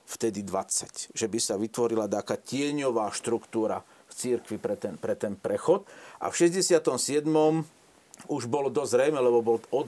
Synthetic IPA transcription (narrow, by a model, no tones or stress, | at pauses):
ft̪ɛd̪id̪ʋat͡sːacʒɛbisaʋit̪ʋɔɾilad̪aːkaːcɪɛɲɔʋaːʃt̪ɾukt̪uːɾa̰ | ft͡siɾkʋipɾɛt̪ɛnpɾɛt̪ɛnpɾɛxɔt̪ʔa̰fʃɛzɟɛsɪat̪ɔmsɪɛd̪mɔm | uʒbɔld̪ɔzzɾɛjmɛlɛbɔbɔlɔ